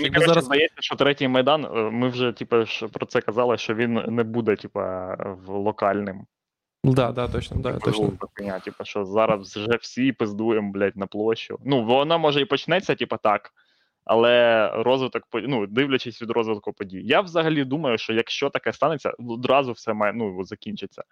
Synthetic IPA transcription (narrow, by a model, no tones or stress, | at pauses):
mʲikzd̪ɐjɛt͡sʲːɐʃt͡ʃɔt̪ɾɛtʲɪjmɐjd̪ɑnmɪwʒɛtʲipɐʃpɾɔt̪sɛkɐzɑlˠɪʃt͡ʃɔʋʲinnɛbud̪ɛtʲipɐ̰wlˠɔkɑlʲnɪm | d̪ad̪at̪ɔt͡ʃnd̪ɔd̪ɐkɪnʲatʲipɐʃt͡ʃɔzɑɾɐsʒɛwsʲipɪzd̪ujemblʲatʲnɐplˠɔt͡ʃʲʊ̰nuʋɔnɑmɔʒɛipɔt͡ʃnɛt͡sʲːɐtʲipɐt̪ɑk | ɐ̰lˠɛɾɔzʋɪt̪ɔk̚pɔnud̪ɪwlʲɐt͡ʃɪsʲʋʲid̪ɾɔzʋɪd̪̚kʊpɔdʲijjawzɐɦɐlʲid̪umɐjʊʃt͡ʃɔjɐkʃt͡ʃɔt̪ɐkɛst̪ɑnet͡sʲːɐ̰ɔd̪ɾɑzʊwsɛmɑjɛnuʋɔzɐkʲinʲt͡ʃɪt͡sʲːɐ